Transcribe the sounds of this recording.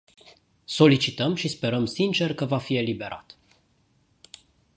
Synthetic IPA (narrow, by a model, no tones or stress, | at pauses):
so̞lit͡ʃit̪əmʃispe̞ɾəmsint͡ʃe̞rkəvafie̞libe̞ɾa̰t̪